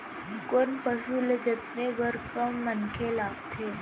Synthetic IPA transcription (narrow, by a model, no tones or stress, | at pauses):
konpəsuləd͡ʒət̪neʋəɾkəmːənkʰelaɡt̪ʰe